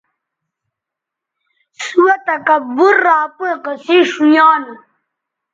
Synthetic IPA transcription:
suwat̪akabuɾːaːpə̃qəsiʂujɑːn

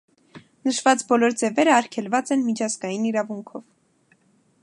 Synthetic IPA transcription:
nəʃvɑt͡sbɔlɔɾd͡zɛvɛɾəɑɾkʰɛlvɑt͡sɛnmit͡ʃʰɑzɡɑjiniɾɑvuŋkʰɔv

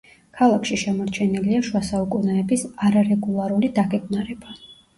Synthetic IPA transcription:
kʰalˠakʰʃiʃɛmɔɾt͡ʃʰɛniliaʃuwasaukʼunaɛbisaɾaɾɛɡulˠaɾulid̪aɡɛɡnaɾɛba

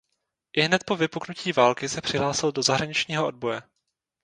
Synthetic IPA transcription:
ʔɪɦnɛt̪̚po̞vɪpuknuciːvaːlkɪsɛpr̥ɪɦlaːsɪldo̞zaɦɾaɲɪt͡ʃɲiːɦoʔo̞d̚bo̞jɛ

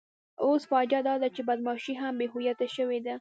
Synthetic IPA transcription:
osfɑd͡ʒad̪ɑd̪at͡ʃebad̪mɑʃiɦambeɦojat̪aʃəwed̪a

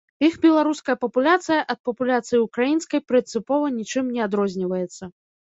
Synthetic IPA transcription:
ixbʲɛlˠaɾuskɐjɐpɐpulʲat̪sɨjɐʔɐt̪̚pɐpulʲat̪sɨjiukɾajinskɐjpɾɨnt̪sɨpɔvɐnʲit͡ʂɨmnʲɛad̪ɾɔzʲnʲivɐjɛt̪sːɐ

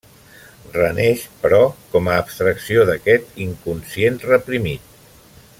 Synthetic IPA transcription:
rənɛʃpəɾɔkɔməːpst̪ɾəksioðəkɛt̪iŋkunsienrəpɾimit̪̚

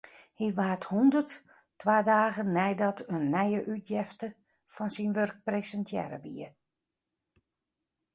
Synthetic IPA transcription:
hiʋaːthundərt | tːʋaːdaːɣənːɛjdɔtʰənːɛjəʔytʰjɛftə | fɔnsinʋørk̚presəntʰjɛ̰ɾə̰ʋḭə

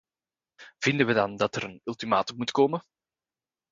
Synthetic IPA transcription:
v̥ɪndənʋədɑndɑtəɾənɵlˠtimaːtəmːutkoːmə

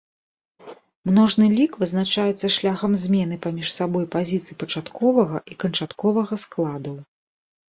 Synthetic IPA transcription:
mnɔʐnɨlʲikvɨznat͡ʂajɛt̪sːɐʂlʲaxɐmzʲmʲɛnɨpamʲiʂsabɔjpazʲit̪sɨjpɐt͡ʂat̪kʰɔvɐɣɐʔikɐnt͡ʂat̪kɔvɐɣɐsklˠad̪ɐw

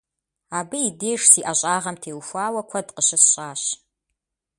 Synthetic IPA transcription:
aːbɨideːʂsiːʔɐɕʼaːʁɐmtʰeːwfʷaːwɐkʷʰɐdqəɕɪsɕʼaːɕ

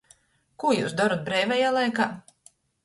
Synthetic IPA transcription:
kujṵːsd̪aɾut̪̚bɾɛjvɛjaːlˠajkaː

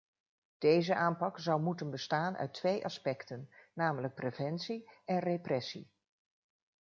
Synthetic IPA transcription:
d̥ejzəʔaːmpɑkzʌwmutənbəstaːnʔœ̰ɥtʰʋejʔɑ̰spɛktənːaːmələk̚prevɛnsiɛnreprɛsḭ

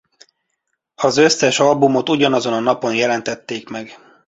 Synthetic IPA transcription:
ɒzøsːɛʃɒlbumo̞t̪uɟɒnɒzo̞nɒnɒpo̞njɛlɛnt̪ɛt̪ːeːkmɛɡ

